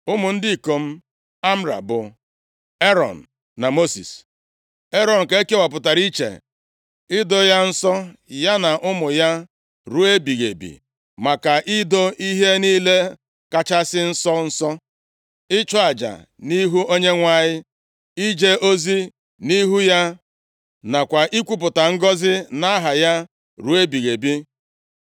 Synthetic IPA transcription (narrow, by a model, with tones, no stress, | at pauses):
ʊ˦mʊ˨n̩˦dɪ˦˨ko˨m̩˦ | a˦m̩˦ɾa̰˨bʊ˨ | e˦ɾɔ̰˨n̩ː˨ | a˨mo˦sḭ˨s | e˦ɾɔ˨n̩˨ke˦e˦ke˦wa˨p̬ʊ˨ta˨ɾi˦t͡ʃḛ˨ | ɪ˦do˦ja˦n̩˦sɔ˦ja˦na˨ʔʊ˦mʊ˨ja˦ | ɾu˦e˦bi˨ɣḛ˨bḭ˨ | ma˨ka˨ʔɪ˦do˦ʔi˦ɦe˦niː˦le˦ | ka˦t͡ʃa˦sɪ˦n̩˦sɔ˦n̩˦sɔ˦ | ɪ˦t͡ʃɔ˦a˨d͡ʒa̰˨ | ni˦ɦu˦o˦ɲe˦ŋʷa˦ɲɪ˦ | i˦d͡ʒe˦o˦zi˦ | ni˦ɦu˦ja˦ | na˨kʷa˨ʔi˦kʷu˦p̬ʊ˨ta˨ŋ̩˦ɡɔ˦zɪ˦na˦ɦa˨ja˦ | ɾu˦e˦bi˨ɣe˨bi˦